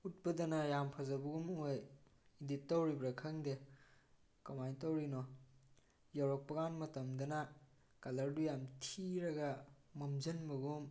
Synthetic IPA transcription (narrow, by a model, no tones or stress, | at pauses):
ut̚pɐdɐnɐjampʰɐzɐbɐɡumoj | iditːawɾibɾɐkʰɐŋde | kɐmajntɐwɾinɔ | jawɾok̚pɐɡanmɐtɐmdɐnɐ | kalɐɾdujamtʰiɾɐɡɐ | mɐmzɐnmɐɡum